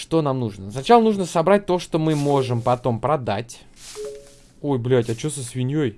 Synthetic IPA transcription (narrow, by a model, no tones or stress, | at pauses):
ʂt̪o̞namnuʐnəsnɐt͡ɕalˠənuʐnəsɐbɾat̚ʲt̪o̞ʂt̪o̞mɨmo̞ʐɨmpɐt̪o̞mpɾɐd̪a̰tʲ | o̞jblʲatʲɐt͡ɕosəsvʲɪnʲjoj